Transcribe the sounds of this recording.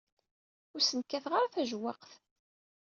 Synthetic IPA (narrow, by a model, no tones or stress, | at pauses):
ʊɾsənkːæθʁaɾθæʒwɑqθ